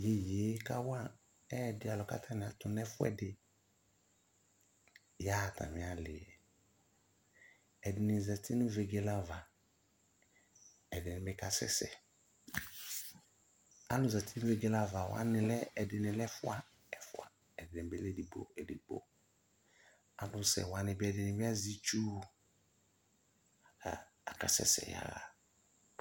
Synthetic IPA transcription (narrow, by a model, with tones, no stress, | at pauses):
je˨jeː˨˦ka˦wa˦˨ | ɛ˦˨dɪ˦a˨lɔ˨ka̰˦tʰa˦nɪ˨a˨tʊ˨n˦ɛ˦fʊ˦ɛ̰˨dɪ˨ | ja˦˨tʰa̰˨mɪ̃˨a˨lɪ˨ɛ˨ | ɛ˨dɪ˨nɪ˨zɛ˨tʰɪ˦nɪ˦ve˨ɡe˦la˦va˨ | ɛ˨dɪ˨nɪ̃˨bɪ˦ka˦sɛ̰˦sɛ̰˨ | a˦lʊ̃˨za˨tʰɪ˦nɪ̃˦ve˨ɡe˦la˦va˨wa̰˦nɪ̃˨lɛ˦ɛ˨dɪ˨nɪ̃˨lɛ˦fʊ˦a˦ | ɛ˨fʊ˦˨a˨ | ɛ˨dɪ˨nɪ̃˨bɛ˦lɛ˦˨di˨bo̰˦˨ɛ˨di˨bo̰˦ | a˦lʊ˦sɛ̰˨wa˨nɪ̃˨bɛ˨dɪ˨nɪ˨bɪ˦a˦zi˦t͡ʃu˦˨ | a˨ | a˨ka˨sɛ̰˦sɛ̰˨ja̰˨ɣa̰˨